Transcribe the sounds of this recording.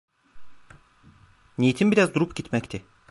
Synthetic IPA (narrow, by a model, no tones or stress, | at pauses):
nijit̪ʰimbiɾazd̪uɾupɟit̪mɛct̪ʰɪ